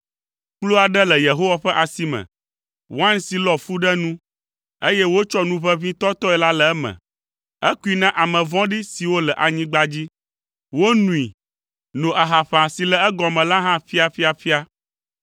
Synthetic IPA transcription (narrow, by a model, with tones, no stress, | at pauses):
k͡plu˦a˨ɖɛ˦lɛ˨je˨ɦo˦wa˦ɸɛ˦ʔa˨si˦mɛ̰̃˨ | wã˦nsi˨lɔ˨fu˦ɖɛ˦nũ˦ | e˦jɛ˦wo˦t͡ʃɔ˦nũ˦ɸɛ˦vĩ˦t̪ɔ˦t̪ɔ˦ɛ˨la˦lɛ˨ɛ˦mɛ̰̃˨ | ɛ˦ku˦i˨nã˦ʔa˨mɛ̃˨vɔ̃˦ɖi˦si˨wo˦lɛ˨ʔa˨ɲĩ˦ɡ͡ba˦d͡ʑi˦ | wo˦nũ˨i˨ | nũ˨ʔa˨ɦa˨ɸã˨si˨lɛ˨ɛ˦ɡɔ̃˨mɛ̃˨la˦ɦã˦ɸi˦a˨ɸi˦a˨ɸi˦a˦